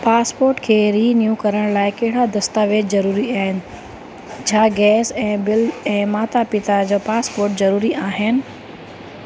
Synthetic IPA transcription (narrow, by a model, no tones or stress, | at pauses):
paːspoːɾʈkʰeːɾiːnjukɐɾəɽ̃laːɪkɐɦɪɽad̪ɐst̪aʋeːd͡ʑzɐɾuːɾiaːɦɪnɪ̆ | t͡ɕʰaːɡɛːsɛ̃ːbɪlɛ̃ːmaːt̪apɪt̪ad͡ʑoːpaːspoːɾʈ̚zɐɾuːɾiʔaːɦɪnɪ̆